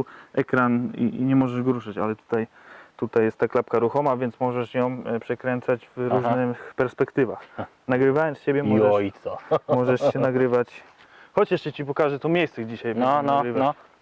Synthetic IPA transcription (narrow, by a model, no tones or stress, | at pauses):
ʔɛkɾanḭɲɛmɔʐɛʐɡɔɾuʂat͡ɕalɛt̪u̥t̪aj | t̪ut̪ajɛst̪ːaklapkaɾuxɔmavʲjɛnt̪smɔʐɛʂjɔ̃w̃pʂɛkɾɛnt̪sad͡ʑvɾuʐnɘxpɛɾspɛkt̪ɘvax | naɡɾɘvajɔnst͡ɕɛbʲjɛmɔɛɔjt̪sɔmɔʐɛʂɛnaɡɾɘvat͡ɕ | xɔt͡ɕaʂɕɛt͡ɕipɔkaʐɛt̪ɔmʲjejst̪sɛɣd͡ʑiɕajnaɡɾɪva